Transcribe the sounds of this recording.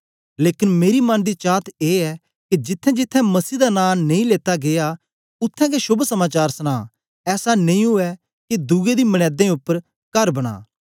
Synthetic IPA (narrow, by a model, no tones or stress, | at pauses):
leːkɪnmeːɾimɐnd̪it͡ʃaːt̪eːɛ | kid͡ʒɪt̪ʰːɛ̃d͡ʒɪt̪ʰːɛ̃mɐsiːd̪anãːnẽĩleːt̪aɡea | ʊt̪ʰːɛ̃kesʊbsɐmaːt͡ʃaːɾsəñaː | ɛːsanẽĩɦʊɛ | ked̪ʊɡed̪iːmɐɽ̃ɛːd̪ẽʊpːəɾ | kɐɾbɐɽ̃a̰ː